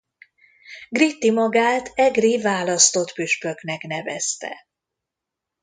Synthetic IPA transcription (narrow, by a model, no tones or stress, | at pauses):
ɡrit̪ːimɒɡaːt̪ʰɛɡrivaːlɒst̪o̞t̪pyʃpø̞knɛknɛvɛ̰st̪ɛ̰